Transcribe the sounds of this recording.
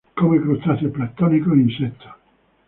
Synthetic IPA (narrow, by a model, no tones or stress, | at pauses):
komekɾut̪ːaseplat̪ːɔnikoinset̪ːo̥